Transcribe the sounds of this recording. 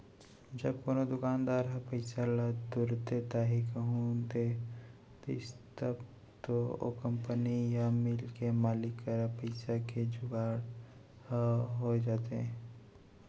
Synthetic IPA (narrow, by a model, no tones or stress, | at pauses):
d͡ʒɐb̚koːnod̪ʊkaːnd̪aːɾɦɐpəɪsalad̪ʊɾt̪et̪aɦikəɦũd̪e | t̪oɪst̪əb | t̪oo̰kə̃mpənijamɪlkemaːlɪkəɾpəɪsaked͡ʒʊɡaːɽ | hɦod͡ʒaːt̪eɦɛ̃